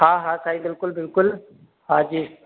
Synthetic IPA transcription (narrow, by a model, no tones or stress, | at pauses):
ɦãːɦãːsʰaːĩbɪlkʊlbɪlkʊl | haːd͡ʒiː